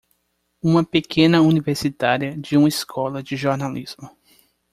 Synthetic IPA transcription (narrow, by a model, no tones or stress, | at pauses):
ũmɐpekʰẽnɐuniveɾsit̪aɾiɐd͡ʒɪũmɐiskʰɔlɐd͡ʒɪʒoɾnaliz̥mʊ